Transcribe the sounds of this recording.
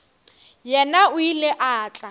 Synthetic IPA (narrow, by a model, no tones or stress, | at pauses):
jɛnaʊilɪʔaːt͡ɬʼa